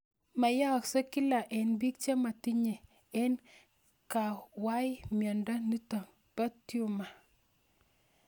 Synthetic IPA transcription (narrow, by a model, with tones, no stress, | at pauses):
ma˨ja˦˨kse˦ki˦la˨ʔɛ˨nbi˦k̚t͡ʃe˦ma˨ti˦ɲɛ˨ | ɛ˦n | ka˨wa˦jmjɔ˨nda˦ni˦ta˨ | b̥a˦ti˦u˦ma˨